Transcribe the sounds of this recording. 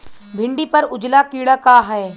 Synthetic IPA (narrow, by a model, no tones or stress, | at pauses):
bʱɪ̃ɳɖipɐɾʊd͡ʒlakiːɽakaɦɛː